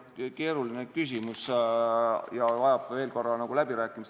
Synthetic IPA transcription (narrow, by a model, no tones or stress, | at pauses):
ke̞ːɾulinekys̬ʲimus | jɑvɑjɑb̥veːlkorːɑnɑɡ̥ulæbiɾæːkːˑimis